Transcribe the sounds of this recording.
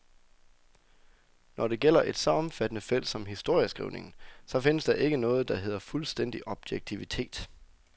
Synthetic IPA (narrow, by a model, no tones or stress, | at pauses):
nʔɒɾ̥e̝ɡ̥el̰ɐʔe̝d̥sɒ̽ɒ̽m̩fæd̥ənəfel̰̥sɒ̽mhisd̥o̝ɐ̰jəsɡ̥ʁḭʊne̝ŋn̩sɒ̽fe̝nəsd̥ɑ̈ʔe̝ɡ̥ənɔ̽ːð̞̩ˠd̥ɑ̈ɦe̝ð̰ˠɐfulsd̥en̰d̥iʔɒ̽b̥jeɡ̥̚t͡sʰiʋit͡sʰe̝̰ːd̥